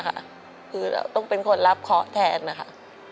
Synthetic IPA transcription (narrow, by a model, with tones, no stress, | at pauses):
kʰa̰˦˥ʔ | kʰɯː˧lɛ̰ː˨˩wt̪ɔ˥˩ŋpe˧nkʰo˧nɾa˦˥p̚kʰɔ˦˥ʔt̪ʰɛː˧nːa˦kʰa˦˥ʔ